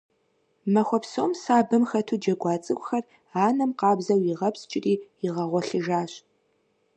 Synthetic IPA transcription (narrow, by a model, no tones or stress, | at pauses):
mɐxʷɔpsoːmsaːbɨmxɐtʰuːd͡ʒɐɡʷɑːt͡sʼɨkʷʼxɐr | aːnɐmqɑːbzɐwiʁɐpst͡ʃʼɪriːiʁɐʁʷɔɬɨʒaːɕ